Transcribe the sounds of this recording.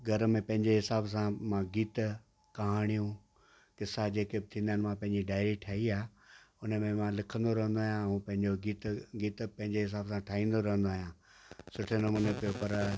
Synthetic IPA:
ɡʱɐɾmẽpɐ̃ɦɪ̃ɲd͡ʑeɦɪsaːbsãmãɡiːt̪ | kɐɦaːɽ̃ijũ | kɪsad͡ʑeːkebɪt̪ʰĩːnd̪ənɪ̆mãpɐ̃ɦɪ̃ɲd͡ʑiɖaːɪɾiʈʰaːiaːʊnəmẽmãlɪkʰə̃nd̪oɾɐɦə̃nd̪oaːjãũpɐ̃ɦɪ̃ɲd͡ʑoɡiːt̪ɡiːt̪pɐ̃ɦɪ̃ɲd͡ʑeɦɪs̬aːbsãʈʰaːɦĩːn̆d̪oɾɐɦə̃nd̪oaːɦjãː | sʊʈʰenɐmuːnepijopɐɾ

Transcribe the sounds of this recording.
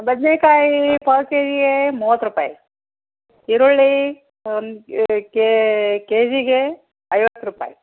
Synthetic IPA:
bɐd̪nekaːipʰɐlkeːd͡ʒiɡemuʋɐt̪ːɾupa̰ːi | iɾuɭːi | nkekeːd͡ʒiɡe | ɐjʋɐt̪ːɾupa̰ːi

